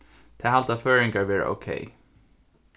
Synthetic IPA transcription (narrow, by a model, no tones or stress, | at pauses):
t̪ʰɛːɦalt̪aføːɹɪŋkaɹʋɛːɹə̰ʔo̰ʊkʰḛɪ